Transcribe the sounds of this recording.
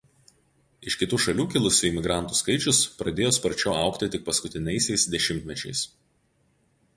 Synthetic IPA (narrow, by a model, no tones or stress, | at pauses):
ɪʃʲkʲɪt̪uːʃɐlʲuːkʲɪlˠʊsʲɪɪˑmʲɪɡɾɑˑnt̪uːskɐɪt͡ʃʲʊspɾɐd̪ʲeːjoːspɐɾʲt͡ʃʲoːɐˑʊkt̪ʲɪt̪ʲɪk̚pɐskʊt̪ʲɪnʲɛɪsʲɛɪsd̪ʲɛʃʲɪmʲt̪ʲmʲɛt͡ʃʲɛ̰ɪs